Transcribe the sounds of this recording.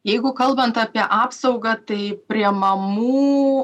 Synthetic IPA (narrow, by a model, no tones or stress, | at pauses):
jɛɪɡʊkɐlˠbɐnt̪ɑːpʲiɛʔɑːpsɐʊɡɐt̪ɐɪpʲɾʲiɛmɐmuː